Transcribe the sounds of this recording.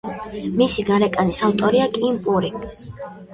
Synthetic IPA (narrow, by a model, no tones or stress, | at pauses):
misiɡaɾɛkʼanisaft̪ʼɔɾiakʼimpʼuɾi